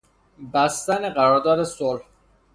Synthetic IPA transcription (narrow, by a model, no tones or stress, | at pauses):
bæst̪æneɢæɾɒːɾd̪ɒːd̪e̞solh